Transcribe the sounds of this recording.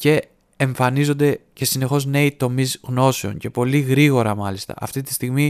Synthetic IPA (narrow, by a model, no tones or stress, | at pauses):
ce̞ː | ɱfɐnizo̞nd̪e̞ce̞sine̞xo̞zne̞it̪o̞mizɣno̞se̞o̞̰nce̞po̞liɣɾiɣo̞ɾɐmɐlist̪ɐ̰ʔɐ̰ft̪it̪i̥st̪iɣmi